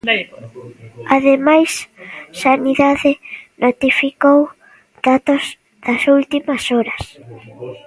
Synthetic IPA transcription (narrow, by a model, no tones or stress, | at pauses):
aðemajssaniðaðɪnot̪ifikow | d̪̥at̪oz | ð̥ɐsult̪imɐsɔɾɐs